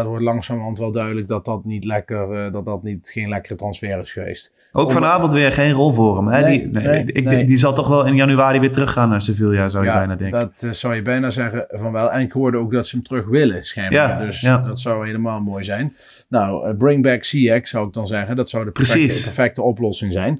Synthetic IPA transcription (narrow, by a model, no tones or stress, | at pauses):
dɑtʋɔɹtlɑŋsaːmɦɑntʋɛlˠdœɥdələɡ̚dɑtdɑtnitlɛkərdɑt̚dɑtnitχejnlɛkərətrɑnsfɛːrɪsχəʋḛjst | ʔowkfɑnaːvɔntʋɪːɹχejnrɔlˠvʊːrəmɛdineɪk̚ndizɑlˠtɔχʋɛlˠɪnjɑnyaːɾiʋɪːtrɵχaːnːazoveːlˠjaːɹzɔwjəbɛjnaːdɛŋkdtsʌwjəbɛjnaːzɛχəvɑnʋɛlˠɛnɪkɦʊːɹdəowk̚dɑtsəəmtrɵχʋɪləsxɛɹmjadɵsdɑtsɑwɦejləmaːlˠmoːjzɛjn | nawəbrɪŋbɛksiɛksʌwɪɡ̚dɑnzɛχəndɑtsʌwdəprəispɛɹfɛk̚təɔplɔsɪŋzɛjn